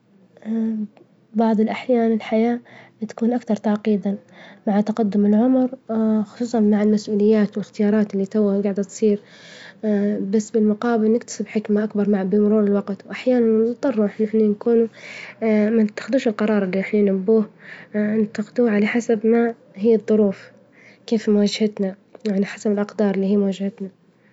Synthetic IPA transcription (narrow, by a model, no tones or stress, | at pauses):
bɑʕðˤɪlʔaħjaːnɪlħajaːt̪ḁkuːnʔakt̪ɑɾˤt̪aʕqiːd̪amaʕat̪aqad̪ːʊmɪlʕʊmɾxʊ̥sˤuːsˤɑnmaʕalmasʔuːlɪjːaːt̪wɪlɪxt̪ɪjɑːɾˤɑːt̪ɪlːit̪awːaɡaʕd̪at̪sˤiːɾ | basːbɪlmʊqɑːbɪlnɪkt̪ḁsɪbħɪkmaʔakbɑɾˤmaʕabɪmʊɾuːɾɪlwɑqt̪wʔaħjaːnanɨt̪ˤːɑrˤːuʔnɪħnankuːnu | manɪt̪ːḁxd̪uːʃɪlqɑɾˤɑːɾˤɪlːiɪħnajnʊbːuːhnt̪ːaqd̪uːʕalaħasabma | ɦɪjːɨd̪ˤːʊɾuːf | keːfmwad͡ʒhat̪na | jaʕniħasabɪlʔɑqd̪ɑːɾˤɪlːiːhiːmwad͡ʒhat̪na